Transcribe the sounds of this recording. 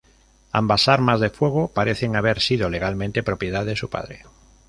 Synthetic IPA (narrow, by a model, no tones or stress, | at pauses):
a̰mbasaɾmazðefwe̞ɣ̞opaɾeθeŋaβ̞e̞ɾsið̞ole̞ɣalmẽnt̪e̞pɾo̞pjeð̞aððesupa̰ðɾe